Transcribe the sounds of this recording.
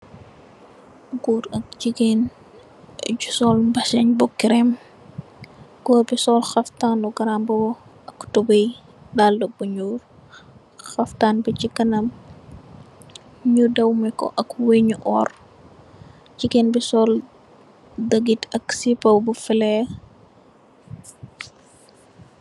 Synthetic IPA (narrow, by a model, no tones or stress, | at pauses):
ɡuɾɐk̚d͡ʒiɡen | ɟusɔlbɐsɐɲbɔkːiɾɛm | ɡɔːbisɔlxɐftaːnuɡɐɾamb | ɐktubəj | daːldɔk̚buɲuːr | xɐftanbit͡ʃikɐnɐm | ɲudɐwmɛkɔ̰ʔɐkweɲuʔɔːr | t͡ʃikɛnbisɔl | dəɡitɐksipɐwbufilɛ